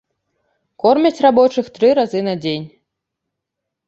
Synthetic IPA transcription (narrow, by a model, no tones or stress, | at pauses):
kɔrmʲɛt͡sʲrabɔt͡ʂɨxt̪ɾɨɾazɨnad͡zʲenʲ